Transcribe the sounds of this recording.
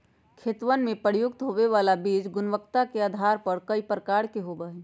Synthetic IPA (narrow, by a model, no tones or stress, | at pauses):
kʰeːt̪ʋənmẽpəɾjʊɡ̚t̪ɦoʋeʋalabiːd͡ʒɡʊnʋəkt̪akeaːd̪ʱaɾpəɾkəipɾəkaɾkeɦobəɦe